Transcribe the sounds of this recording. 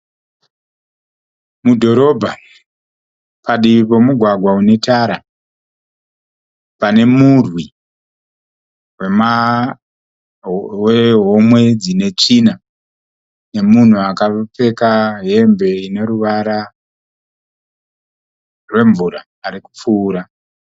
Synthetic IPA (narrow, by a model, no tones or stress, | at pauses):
mudʱo̞ɾo̞bʱa | paɗiipo̞muɡʱwaɡʱwaune̞taɾa | pane̞murwi | wema | weɦo̞mwe̞d͡zine̞t͡ʂina | ne̞mun̤uakap͡fe̞kaɦe̞mbe̞ine̞ɾuʋaɾa | rwe̞ɱvuɾaːɾiku̥p͡fuːɾa